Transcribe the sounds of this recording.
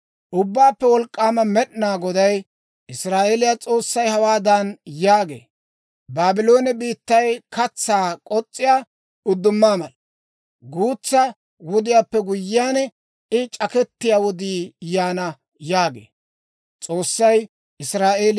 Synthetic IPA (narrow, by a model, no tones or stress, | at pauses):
ʔʊbːaːpːɛwɔlkʼːaːmɐmɛɗnaːɡɔd̪ɐj | ʔɪsɾaːʔeːlɪjat͡sʼo̞ːsːɐjhɐwaːd̪ɐnjaːɡḛː | baːbɪlo̞ːnɛbiːt̪ːɐjkʰɐt͡sːaːkʼɔt͡sʼːɪja | ʊd̪ːʊmːaːmɐl | ɡuːt͡sːɐ | wɔd̪ɪjaːpːɛɡʊjːɪjaːn | ɪt͡ʃʼɐkɛt̪ːɪjawɔd̪iːjaːnɐ | jaːɡḛː | t͡sʼo̞ːsːɐj | ʔɪsɾaːʔeːl